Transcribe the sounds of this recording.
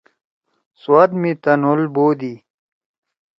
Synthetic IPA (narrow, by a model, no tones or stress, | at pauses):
swad̪mit̪ɐnulboːd̪i